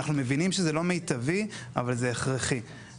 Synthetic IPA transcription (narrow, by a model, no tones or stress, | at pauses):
aχnume̞vinimʃezelo̞mejt̪avia̰valzeːχʁeχi